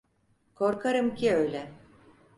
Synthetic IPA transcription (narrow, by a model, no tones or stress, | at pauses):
kʰo̞ɾkʰaɾɯmcʰiø̞jlʲɛ